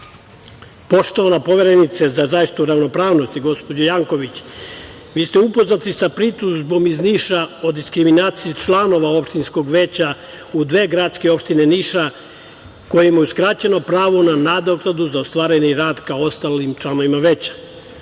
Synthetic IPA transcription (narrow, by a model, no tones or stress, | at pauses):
po̞ʃt̪oʋanapo̞ʋe̞ɾenit̪sezazajiʃit̪uɾaʋno̞pɾaːʋno̞st̪iɡo̞spod͡ʑojaːŋko̞ʋit͡ɕ | ʋiːst̪e̞upo̞znat̪isapɾit̪uzbo̞mizniːʃao̞d̪iskɾiminaːt̪sijit͡ʃlˠano̞ʋao̞pʃt̪insko̞ɡʋe̞t͡ɕa | ud̪ʋe̞ːɡɾat̪skeo̞pʃt̪ine̞niːʃa | ko̞jimajuskɾat͡ɕe̞no̞pɾaːʋo̞nanad̪oklad̪uzaost̪vʋaːɾeɲeɾaːd̪kao̞st̪alimt͡ʃlˠano̞ʋimaʋe̞t͡ɕḁ